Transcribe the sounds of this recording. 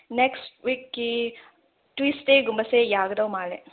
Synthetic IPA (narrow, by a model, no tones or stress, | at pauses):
neksʈʋikːi | ʈwiːsʈeɡumbɐsejaːɡɐd̪ɐwmaːɭe